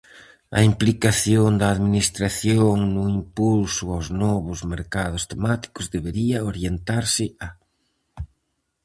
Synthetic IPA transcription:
ɐ̰implikaθjoŋd̪ɐːðminist̪ɾaθjoŋnʊimpulsʊawznɔβʊzmeɾkað̞ʊst̪emat̪i̥kʊzðeβeɾiɐoɾjent̪aɾsɪa

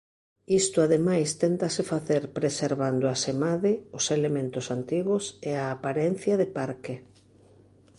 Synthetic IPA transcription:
ist̪ʊaðemajst̪ɛnt̪ɐsɪfaθeɾpɾeseɾβand̪ʊasemaðɪʊselemẽnt̪ʊsant̪iɣʊseaːpaɾɛn̟θjɐðɪpaɾkɪ

